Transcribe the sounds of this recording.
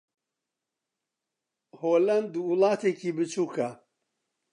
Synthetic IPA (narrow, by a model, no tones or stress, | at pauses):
hoːlɐnd̪uwʊlˠɑːt̪ʰeːkʰiːbɨt͡ʃʰuːkʰɐ